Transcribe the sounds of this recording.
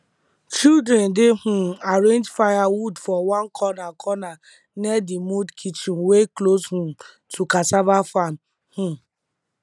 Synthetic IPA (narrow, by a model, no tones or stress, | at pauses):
t͡ʃildɾɛndɪɦuaɾẽnd͡ʒfajawudfɔwãnkʰɔnakʰɔna | nɛdimudkʰit͡ʃinwekloshũ | tʰukasabafan̩ | hũ